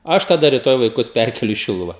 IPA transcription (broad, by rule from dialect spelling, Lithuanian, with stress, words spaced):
ˈɐʃ tɐˈdɐ rʲɪˈtoːj ʋɐɪˈkʊs ˈpʲærʲkʲɛlʲʊ iː ˈʃʲɪlˠʊʋɐ